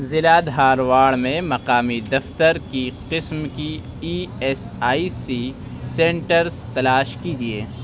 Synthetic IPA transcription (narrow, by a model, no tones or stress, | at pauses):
zɪlad̪ɦaːɾʋaːɽmẽmɐqaːmid̪ɐft̪əɾkiqɪsmki | iːɛs | aːisi | sẽːɳʈəɾzt̪ɐlaːʃkiːd͡ʒieː